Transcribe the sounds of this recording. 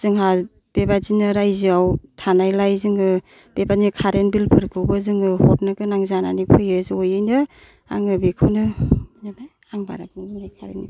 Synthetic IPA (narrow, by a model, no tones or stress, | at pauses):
z̥ɯŋɦa | b̥ebazinɯɾajziawtʰanajlajzɯŋɯ | b̥ebazinkʰaɾenbilpʰɯɾkʰɯwbɯzɯŋɯhɔt̚nɯkɯnaŋzananipʰɯjɯzojɯjnɯ | a̰ŋɯbikʰɯnɯnana | aŋba̰ɾapɯŋinajkʰaɾeni